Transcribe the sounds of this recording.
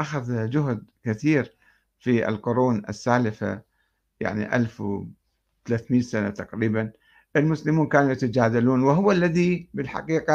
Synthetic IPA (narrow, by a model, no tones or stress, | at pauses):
ʔaxaðd͡ʒʊɦd̪kɪθiːɾ | fiʔɪ̰lqʊɾuːnɪ̰sːaːlɪfa̰ | ja̰ʕnḭʔa̰lfw | t̪alaːθmiːnsana̰t̪aqɾiːban | ʔɪlmʊslɪmuːnkaːnujat̪ad͡ʒaːd̪aluːnwɪɦʊwalːaðibɪlħa̰qiːqɑ